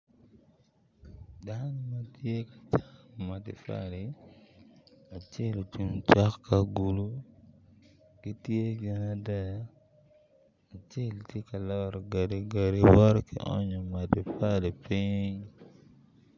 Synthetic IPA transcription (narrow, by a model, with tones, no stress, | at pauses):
da˦nɔ˦ma˦tje˦kḁt͡ʃa˦ma˨tɪ̰˨fa̰˦li˨ | a˨t͡ʃe˦lo˨t͡ʃu˨mt͡ʃa˦kːa˨ɡu˨lu˦ | ki˦tje˦ɡɪ˨na˨dɛ˦ja˦˨ | t͡ʃe˦ltje˦ka˨lɔ˦ɾɡa˨ɾi˨ɡa˨ɾi˦wɔ˦ɾkḭ˨ʔɔ̰˦ɲɔ˨ma˨ti˨fa˦li˨pi˦ɲɲ